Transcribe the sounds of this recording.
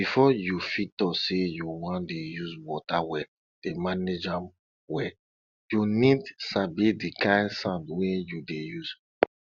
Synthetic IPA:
bifɔjufitɔsejuwãndejuzwɔtawɛ | d̥emaned͡ʒam | wɛ | junidsabidikãɪndsãndwɛ̃judejuz

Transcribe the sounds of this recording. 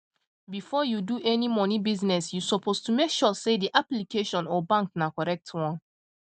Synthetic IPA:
bifɔjuduʔɛnimɔnibiznɛsjusɔpʰostumekʃɔsediʔaplikʰeʃɔ̃nɔbãŋknakɔɹɛk̚tʰwɔ̃n

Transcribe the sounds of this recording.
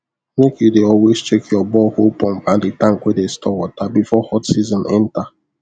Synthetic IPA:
mekudeɔlwezt͡ʃekʰjɔbɔhopɔ̃m̩bãndɪtãŋ̩kʷedestʰɔwɔtabifɔhɔtsizɔ̃nɛnta

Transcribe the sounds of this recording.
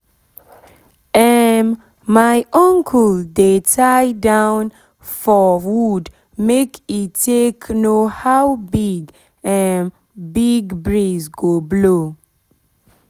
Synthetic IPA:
ɛn | majʔɔ̃ŋkʰəldetʰajdãwn | fɔwud | mekitʰːekʰnohawbiɡ | ɛn | biɡbɹizɡoblo

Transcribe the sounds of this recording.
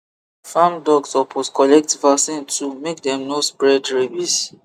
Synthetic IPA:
fãmdɔɡsɔpʰoskɔlɛk̚tvasĩntʰumek̚dɛ̃mnospɹɛdɹebis

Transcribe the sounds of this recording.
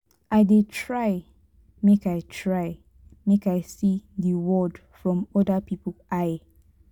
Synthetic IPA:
ʔaɪdetʰɹaɪ | mekaɪtʰɹaɪ | mekaɪsiðəwɔdfɹɔ̃mɔdəpipəlʔaj

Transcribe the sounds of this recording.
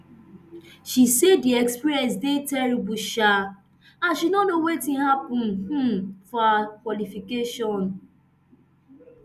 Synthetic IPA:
ʃisediɛkspiɾiɛns̬detɛɾibuʃa | aʃinɔnowetĩŋɦapʊ̃n̩h̩fɔakwɔlifikeʃɔn

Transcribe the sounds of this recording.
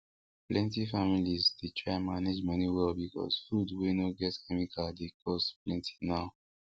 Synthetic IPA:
plɛ̃ntifamilizdetʰɹaɪmaned͡ʒmʌniwɛlbikɔ̰sfudwenoɡɛtkʰɛmikʰaldekʰɔsplɛ̃ntʰi̥naʊ

